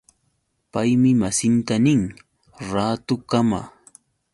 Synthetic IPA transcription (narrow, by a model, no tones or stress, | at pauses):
pajmɪmasɪnt̪anɪŋ | ɾaːt̪ʊkama̰ː